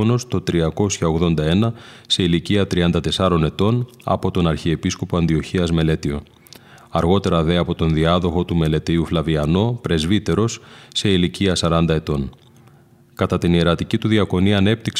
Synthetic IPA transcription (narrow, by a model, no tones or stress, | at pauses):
onost̪o̞t̪ɾiɐko̞sçɐoɣðo̞nd̪ɐe̞nɐse̞iliciɐt̪ɾiɐnd̪ɐt̪e̞sɐɾo̞ne̞t̪o̞n | ɐ̰po̞t̪o̞nɐɾçie̞pisko̞poɐnd̪io̞çiɐzme̞le̞t̪io̞ | ɐɾɣo̞t̪e̞ɾɐðe̞ɐpo̞t̪o̞nðiɐðo̞xo̞t̪ume̞le̞t̪iuflɐviɐno̞pɾe̞zvit̪e̞ɾo̞sːe̞iliciɐsɐɾɐnd̪ɐe̞t̪o̞n | kɐt̪ɐt̪inie̞ɾɐt̪icit̪uðiɐko̞niɐne̞p̚t̪iks